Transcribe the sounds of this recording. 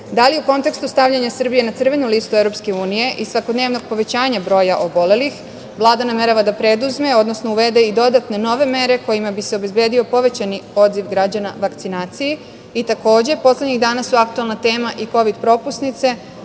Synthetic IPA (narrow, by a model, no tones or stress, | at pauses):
d̪aliuko̞nt̪e̞kst̪ust̪aʋʎaɲasr̩bije̞nat̪sr̩ʋe̞nuliːst̪uevɾo̞pske̞uːnije̞ʔisʋakod̪ne̞ːʋno̞ɡ̚po̞ʋe̞t͡ɕaːɲabɾo̞ːjaʔo̞bo̞le̞lix | ʋlˠaːd̪aname̞ɾaʋad̪apɾe̞d̪uzme̞o̞d̪no̞sno̞uʋe̞d̪e̞id̪o̞d̪at̪ne̞no̞ʋe̞me̞ɾe̞ko̞jimabiseo̞be̞zbeːd̪io̞po̞ʋe̞t͡ɕanio̞d̪ziʋɡɾad͡ʑanaʋakt̪sinaːt̪sije | it̪ako̞ːd͡ʑe̞po̞sledɲiɣd̪aːnasuak̚t̪uelˠnat̪e̞ːmaʔiko̞ʋid̪pɾo̞ːpusnit̪se̞